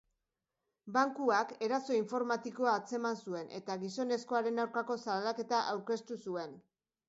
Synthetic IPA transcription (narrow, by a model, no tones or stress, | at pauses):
baŋkuake̞ɾaso̞iɱfo̞ɾmat̪iko̞aːt͡se̞mansue̞nʔe̞̰t̪aɣiso̞ne̞sko̞aɾe̞nawɾkako̞salake̞t̪aʔawɾke̞st̪usue̞n